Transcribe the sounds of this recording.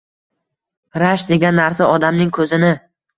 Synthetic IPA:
ɾaʃt̪d̪e̞ɡʲanːaɾsaɒd̪amnɪŋkʰɵzɪnɪ

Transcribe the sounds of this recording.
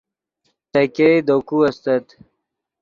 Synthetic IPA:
t̪ɐked̪okuɐst̪ɐt̪

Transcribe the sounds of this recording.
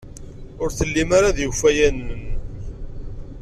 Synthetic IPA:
ʊɾθəlːimaɾaðjufæjænːən

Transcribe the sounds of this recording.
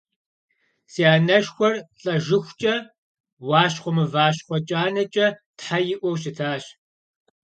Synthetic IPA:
siaːnɐʃxʷɔrɬʼɐʒɪxʷt͡ʃʼɐ | wɑːɕχʷɔmɨvaːɕχʷɔt͡ʃʼaːnɐt͡ʃʼɐtħajɪʔʷɔwɕɪtʰaːɕ

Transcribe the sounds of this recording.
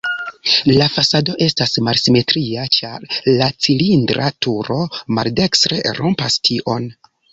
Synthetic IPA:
lafasado̞ʔe̞stasmalsime̞tɾiat͡ʃa̰ɾlat͡silindɾatuɾo̞ma̰lde̞kstɾe̞̰ɾo̞mpastʰiʔo̞n

